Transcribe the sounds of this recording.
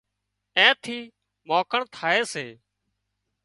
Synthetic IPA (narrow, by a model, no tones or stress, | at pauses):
ẽːt̪ʰiː | moːkəɳt̪ʰaːeːseː